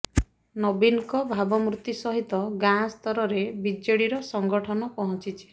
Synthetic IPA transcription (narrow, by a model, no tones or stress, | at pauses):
nɔbinkɔbʱabɔmɾut̪ːisɔɦit̪ɔɡãst̪ɔɾɔɾebid͡ʒeɽiɾɔsɔŋɡɔʈʰɔnɔpɔɦɔ̃t͡ʃit͡ʃʰi̥